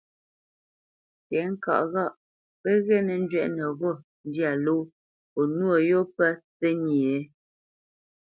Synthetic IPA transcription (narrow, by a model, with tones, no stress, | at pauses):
tɛ˨˦ŋ̩˦ka̰˨ʔɣa˦˨ʔ | pə˦ɣɛ˦nɛ˨n̩˦d͡ʒɥɛ˦˨ʔnə˨ɣo˦˨ | n̩˦dja˨lo˦ | po˨nwo˦˨jo˦pɛ˦t͡se˦ɲi˨e˦